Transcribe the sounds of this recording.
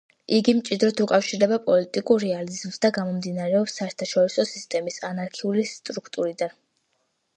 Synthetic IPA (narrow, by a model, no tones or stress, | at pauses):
iɡimt͡ʃʼid̪ɾɔt̪ʰukʼafʃiɾd̪ɛbapʼɔlit̪ʼikʼuɾːɛalizmz̥d̪aɡamɔmd̪inaɾɛɔpsːaɛɾt̪ʰaʃɔɾisɔsist̪ʼɛmisanaɾkʰiulist̪ʼɾukʰt̪ʼuɾid̪an